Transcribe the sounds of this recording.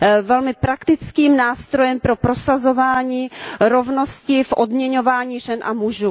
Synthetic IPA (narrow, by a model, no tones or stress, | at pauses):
vɛlmɪpɾakt̪ɪt͡skiːmnaːst̪ɾo̞jɛmpɾo̞pɾo̞sazo̞vaːɲiːɾovno̞scɪfʔodmɲɛɲo̞vaːɲiːʒɛnʔa̰muʒuː